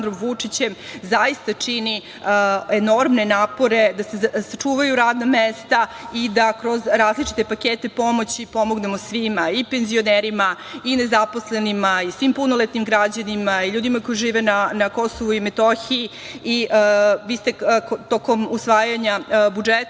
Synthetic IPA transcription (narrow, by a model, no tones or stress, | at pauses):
nd̪ɾomʋut͡ʂit͡ɕemzaist̪at͡ʂini | eno̞ɾmne̞naːpo̞ɾe̞d̪asesat͡ʂuːʋajuɾaːd̪namest̪aid̪akɾo̞zɾaːzlit͡ʃi̥t̪e̞pakeːt̪e̞po̞mo̞t͡ɕipo̞mo̞ɡne̞mo̞sʋimaipenzio̞neːɾima | ine̞zapo̞sle̞nimaisʋimpuno̞lˠet̪nimɡɾad͡ʑanimaiʎuːd̪imako̞jiʒiːʋenanako̞so̞ʋuime̞t̪oçiː | iʋiːst̪e̞t̪oko̞musʋaːjaɲabud͡ʒet̪